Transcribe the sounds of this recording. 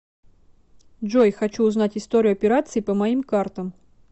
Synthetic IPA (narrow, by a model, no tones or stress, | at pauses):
dʐojxɐt͡ɕuːznatʲɪst̪oɾʲɪʊɐpʲɪɾat̪sɨɪpəmɐimkart̪əm